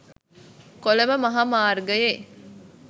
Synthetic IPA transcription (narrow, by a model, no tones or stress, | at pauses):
kolɐməmɐɦamaːrɡəje